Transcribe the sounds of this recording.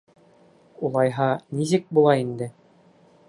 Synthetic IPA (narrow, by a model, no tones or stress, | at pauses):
ulˠɑjɦɑnis̬ɘk̚bulˠɑind̪ɘ